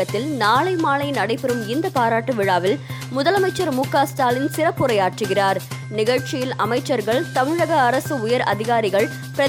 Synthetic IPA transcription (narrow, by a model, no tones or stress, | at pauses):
ɐt̪ːɪlnaːɭɐɪmaːɭɐɪnɐɽɐɪpːɛɾɯmɪnd̪ɐpaːɾaːʈːɯʋɪɻaːʋɪl | mʊðɐlɐmɐɪt͡ʃːɐɾmuːkaːsʈaːlɪnsɪrɐpːʊɾɐɪaːʈrɯɣɪraːɾ | nɪɣɐɻt͡ʃɪjɪlɐmɐɪt͡ʃːɐɾɣɐɭt̪ɐmɪɻɐɣɐːɾɐsɯʊjɐɾɐ̰ðɪɣaːɾɪɣɐɭ | pɪɾɐ